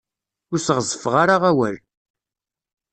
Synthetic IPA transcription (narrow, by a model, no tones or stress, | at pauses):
ʊɾsəʁzəfʁaɾaʁæwæl